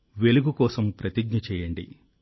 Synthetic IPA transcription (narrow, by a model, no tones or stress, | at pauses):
ʋeluɡukɔːsɐmpɾɐt̪iɡ̚ɲɐt͡ʃɛːjɐɳɖḭ